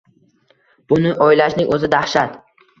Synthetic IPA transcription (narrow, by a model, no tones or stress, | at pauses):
b̥ʊnɪʔɒjɪlaʃnɪŋʔɵzɪd̪ahʃat̪